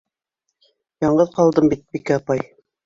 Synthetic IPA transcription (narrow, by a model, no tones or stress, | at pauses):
jɑɴɢɤðqɑlˠd̪ɤmbit̪̚bikæɑpɑj